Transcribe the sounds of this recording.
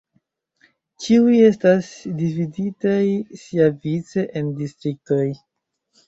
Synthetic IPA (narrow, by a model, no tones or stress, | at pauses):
t͡ʃiuje̞stasdividitajsiavit͡se̞ʔendistɾik̚to̞j